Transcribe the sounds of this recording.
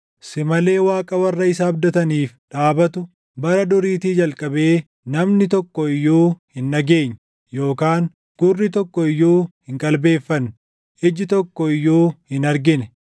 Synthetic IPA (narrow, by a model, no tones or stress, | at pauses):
sɪmɐle̞ːwaːkʼɐwɐrːɐɪsɐːbd̪ɐt̪ɐniːfᶑaːbɐt̪ʊ | bɐɾɐd̪ʊɾiːt̪iːd͡ʒɐlkʼɐbe̞ː | nɐmnɪt̪ɔkːɔɪjːuːhɪnːɐɡe̞ːɲː | jo̞ːkaːŋ | ɡ̥ʊrːɪt̪ɔkːɔɪjːoːhɪŋkʼɐlbe̞ːfːɐn | ʔɪd͡ʒɪt̪ɔkːɔɪjːoːhɪnɐɾɡɪnɛ